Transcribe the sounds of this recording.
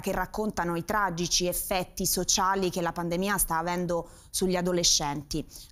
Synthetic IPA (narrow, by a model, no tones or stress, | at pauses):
kerːakːont̪anoit̪ɾad͡ʒit͡ʃiefːɛt̪ːisot͡ʃaːlikelapand̪emiːast̪aːvɛnd̪o | suʎːiad̪oleʃːɛnt̪i